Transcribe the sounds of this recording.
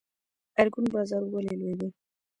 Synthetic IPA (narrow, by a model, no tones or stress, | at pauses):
aɾɡunbɑzɑɾwəlelwed̪i